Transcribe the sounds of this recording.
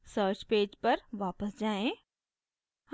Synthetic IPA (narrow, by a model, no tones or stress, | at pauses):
səːɾt͡ɕpeːd͡ʑpɐɾʋaːpəsd͡ʑaːẽ | h